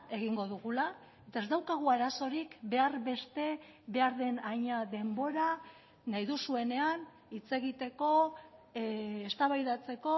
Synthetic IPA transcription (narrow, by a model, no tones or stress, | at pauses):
e̞ɣiŋɡo̞ðuɣula | e̞t̪aezd̪awkaɣ̞uaɾaso̞ɾikbe̞aɾβe̞st̪e̞ | βe̞aɾðe̞naɲaðe̞mbo̞ɾa | nːajðusue̞ne̞an | it͡se̞ɣit̪e̞ko̞ | est̪aβajðat͡se̞ko̞